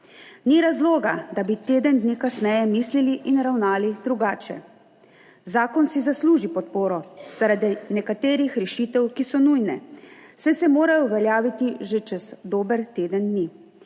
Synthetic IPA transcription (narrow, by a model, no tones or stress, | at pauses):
niɾazloːɡad̪abit̪eːd̪ənd̪nikasnɛːjɛmiːsliliʔinɾawnaːlid̪ɾuɡaːt͡ʃɛ̰ | zaːkɔnsizasluːʒipɔt̪̚poːɾɔz̥aɾad̪inɛkat̪eːɾixɾɛʃit̪ɛwkisɔnujnɛ̰sɛsɛmoːɾajɔuʋɛljaːʋit̪iʒet͡ʃɛz̥d̪oːbəɾt̪eːd̪ənd̪ni